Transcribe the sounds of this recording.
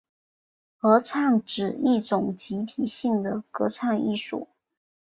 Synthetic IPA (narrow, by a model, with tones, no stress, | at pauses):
xɤ˧˥ʈ͡ʂʰɑ˥˩ŋʈ͡ʂɻ̩˨˩i˥˩ʈ͡ʂʊ˨˩ŋt͡ɕi˧˥t̪ʰi˨˩ɕi˥˩ŋd̪ə˩kɤ̰˧˥ʈ͡ʂʰɑ˥˧ŋḭ˥˧ʂṵ˥˩